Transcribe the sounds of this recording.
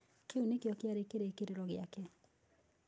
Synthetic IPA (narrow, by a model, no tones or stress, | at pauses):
keunekjɔkjaɾekeɾekeɾeɾɔɣɪakɛ